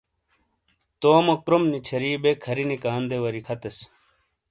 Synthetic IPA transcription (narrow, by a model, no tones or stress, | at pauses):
t̪oːmokɾomnit͡ɕʰɐɾiːbekʰɐɾinikaːnd̪ewɐɾikʰɐt̪es